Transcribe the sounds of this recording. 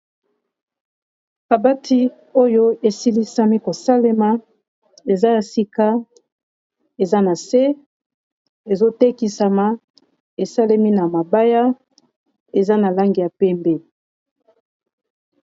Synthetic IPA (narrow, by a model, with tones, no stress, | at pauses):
a˨ba˦tʰi˦ | o˦jo˦e˨si˦li˦sa˦mi˦ko˨sa˦le˦ma˦ | e˨za˦ja˨si˨ka˦ | e˨za˦na˨se˦ | e˨zo˦te˦ki˨sa˨ma˨˦ | e˨sa˦le˦mi˦na˨ma˨ba˦ja˦ | e˨za˦na˨la˦ŋɡi˨ja˨pɛ˦mbe˦